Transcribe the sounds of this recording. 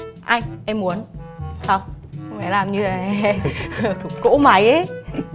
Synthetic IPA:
ʔa˧jŋʔɛ˧mːmu˨˦ənsa˧wxŋfɛ˧˩˦laː˨˩mɲɨ˧a˨˩˨ | ko̰˧˥ma˨˦jʔə˨˦

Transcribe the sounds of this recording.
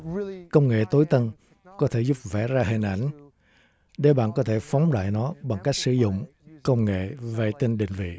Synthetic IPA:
kə˧wŋ͡mŋḛ˧˨t̪o˨˦jt̪ə˧n | kɔ˨˦t̪ʰe˧˩zu˦˥p̚vɛ˧˩zaː˧ɦḭ˨˩ŋ̟ʔa˧˩jŋ̟ | ɗe˧˩ɓa̰ː˧˨nkɔ˨˦t̪ʰe˧˩fɔ˨˦wŋ͡mɗa̰ː˧˨jnɔ˨˦ɓa˨˩ŋka˦˥k̚sɨ˧˩zʊ̰˧˨ŋ͡m | kə˧wŋ͡mŋḛ˧˨ve˨˩t̪i˧nɗḭ̈˧˨ŋ̟vḭ˧˨

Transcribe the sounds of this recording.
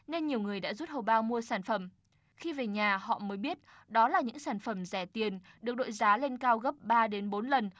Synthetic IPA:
ne˧nɲi˨˩əwŋɨ˨˩əjɗa̰ː˧˥zu˦˥t̚hə˨˩wɓaː˧wmu˧əsaː˧˩nfə˧˩m | xi˧ve˨˩ɲaː˨˩hɔ̰˧˨məː˨˦jɓi˦˥ət̚ | ɗɔ˨˦laː˨˩ɲɨ̰˧˥ŋsaː˧˩nfə˧˩mzɛ˧˩t̪i˨˩ən | ɗɨ˨˩ək̚ɗo̰˧˨jzaː˨˦le˧nkaː˧wɣə˦˥p̚ɓaː˧ɗe˨˦nɓo˨˦nlə˨˩n

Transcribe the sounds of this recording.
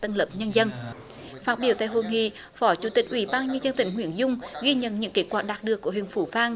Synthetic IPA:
t̪ə˧nləː˨˩p̚ɲə˧nzə˧n | faː˦˥t̚ɓi˧˩əwt̪a̰ː˧˨jɦo˧˨˩ŋḭ˧˨ | fɔ˨˦t͡ɕu˧˩˦t̪ï˨˩k̚ʔwi˧˩˦ɓaː˧nɲə˧nzə˧nt̪ï˧˩˦ŋ̟hwi˧˩ənzʊ˧ŋ͡mɣi˧ɲə̰˧˨nɲɨ̰˧˥ŋke˨˥t̚kwaː˧˩k̚ɗaː˨˩ɗɨ˨˩əkːu˧˩əhi˨˧˨ŋ̟fu˧˦faː˧ŋ

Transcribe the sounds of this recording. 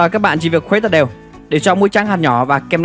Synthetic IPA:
əː˨˩kaː˦˥k̚ɓa̰ː˧˨nt͡ɕḭ˧˩vi˨˩t̚kxwe˨˦t̪ə̰˧˨˩ɗe˨˩w | ɗe˧˩t͡ɕɔ˧mu˨˦jt͡ɕaː˨˦ŋhaː˨˩nɲɔ˧˩vaː˨˩kɛ˧m

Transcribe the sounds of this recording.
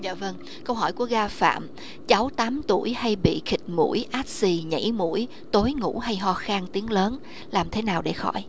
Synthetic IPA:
za̰ː˧˨və˧ŋ | kə˧wɦɔ˧˩jku˧˩əɣaː˧fa̰ː˧˨m | t͡ɕa˨˦wt̪aː˨˦mt̪u˧˩əjha˧jɓḭ˧˨xï˨˩k̚mṵ˧˩˥jʔaː˦˥t̚si˧ɲə̰˧˩jmṵ˧˥əj | t̪o˨˦jŋṵ˧˥ɦa˧jɦɔ˧xaː˧nt̪i˨˦əŋləː˨˦n | laː˨˩mt̪ʰe˨˦naː˨˩wɗe˧˩xɔ˧˩j

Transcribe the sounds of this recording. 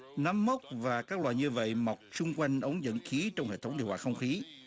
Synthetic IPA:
na˨˧mːə˦˥wk͡p̚vaː˨˩kaː˦˥k̚lwa̰ː˧˨jɲɨ˧və̰˧˨jma˨˩wk͡p̚t͡ɕʊ˧ŋ͡mkwa˧jŋ̟ʔə˨˦wŋ͡mzə̰˧˨nxi˨˦t͡ɕɔ˧wŋ͡mhḛ˧˨t̪ʰə˦ŋ͡mɗi˧˨nwaː˧˨˩xə˧wŋ͡mxi˨˦

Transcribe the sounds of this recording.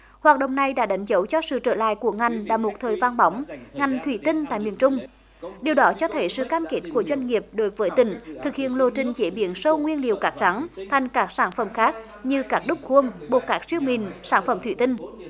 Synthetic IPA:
hwaː˨˩t̚ɗə̰˧˨wŋ͡mna˨˩jɗa̰ː˧˥ɗa˨˦jŋ̟zə˨˦wt͡ɕɔ˧sɨ̰˧˨t͡ɕəː˧˩la̰ː˧˨jku˧˩əŋa˨˩jŋ̟la̰ː˧˥mo˨˩t̚t̪ʰəː˨˩jvaː˧nɓa˨˦wŋ͡mŋa˨˩jŋ̟t̪ʰwi˧˩t̪ï˧ŋ̟t̪a̰ː˧˨jmi˨ənt͡ɕʊ˧ŋ͡m | ɗi˨˩əwɗɔ˨˦t͡ɕɔ˧t̪ʰə˨˦jsɨ̰˧˨kaː˧mke˦˥t̚ku˧˩əzwa˧jŋ̟ŋi˨˩əp̚ɗo˨˦jvəː˨˦jt̪ï˧˩˦ŋ̟t̪ʰɨ˨˩k̚hḭ˧˨ənlo̰˧˨t͡ɕï˨˩ŋ̟t͡ɕe˧˦ɓḭ˧˦ənsə˧wŋwi˧ənlḭ˨əwkaː˦˥k̚t͡ɕa˨˦ŋt̪ʰa˨˩jŋ̟kaː˦˥k̚saː˧˩nfə˧˩mxaː˦˥k̚ | ɲɨ˧kaː˦˥k̚ɗʊ˦˥k͡p̚xu˧əŋɓo˨˩kaː˦˥k̚si˧əwmi˨˩nsaː˧˩nfə˧˩mt̪ʰwḭ˧˩˦t̪i˧ŋ̟

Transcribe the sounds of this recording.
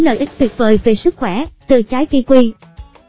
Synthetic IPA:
lə̰ː˧˨jʔɨ˦˥k̚t̪wi˨˩t̚vəː˨˩jve˨˩sɨ˦˥k̚xwɛ˧˩t̪ɨ̰˧˩˨t͡ɕaː˨˦jki˧kwi˧

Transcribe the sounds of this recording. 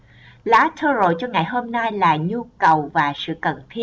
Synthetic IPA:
laː˨˦t̪ʰəː˧zo̰˧˨jt͡ɕɔ˧ŋa˨˩jɦo˧mna˧jlaː˨˩ɲu˧kə˨˩wvaː˨˩sɨ̰˧˨kə˨˩nt̪ʰi˧

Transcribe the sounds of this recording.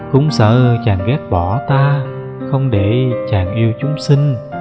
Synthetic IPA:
kʊ̰˨˦ŋ͡msə̰ː˧˨t͡ɕaː˨˩ŋɣɛ˦˥t̚ɓɔ˧˩t̪aː˧ | xə˧wŋ͡mɗe˧˩t͡ɕaː˨˩ŋʔi˧əwt͡ɕʊ˨˦ŋ͡msï˧ŋ̟

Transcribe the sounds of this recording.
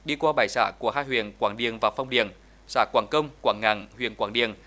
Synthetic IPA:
ɗi˧kwaː˧ɓaː˨˩jsaː˧˩ku˧˩əhaː˧˥j̚hwḭ˧˨ənkwaː˧˩ŋɗḭ˧˩əŋvaː˨˩fa˧wŋ͡mɗi˧˨əŋ | saː˧˩kwaː˧˩ŋkə˧wŋ͡mkwaː˧˩ŋŋa̰ː˧˩ŋhwḭ˧˨ənkwaː˧˩ŋɗḭ˧˨əŋ

